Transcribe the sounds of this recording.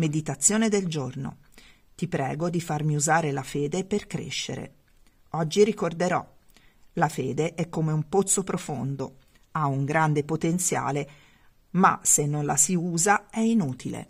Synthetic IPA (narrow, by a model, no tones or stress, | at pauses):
med̪it̪at̪sːjoːned̪eld͡ʒorno̰ | t̪ipɾɛ̰ːɡod̪ifarmiuzaːɾelafeːd̪eperkɾḛʃːḛɾḛ | ɔd͡ʒːiɾikord̪eɾɔ̰lafeːd̪eʔɛkːomeumpot̪sːopɾofond̪o | auŋɡɾand̪epot̪ent̪sja̰ːle | ma̰senːonlasiuːzaɛinuːt̪ilḛ